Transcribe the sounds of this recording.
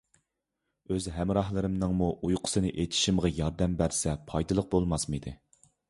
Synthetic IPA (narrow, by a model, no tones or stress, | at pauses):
øzɦɛmɾɑhlˠɨɾɨmnɨŋmuʔujqʰʊ̥sɨnɨʔet̪ʰi̥ʃimʁɑjɑɾd̪ɛmbæɾsɛpʰɑjd̪ɨlˠəq̚bolˠmɑsmid̪ɨ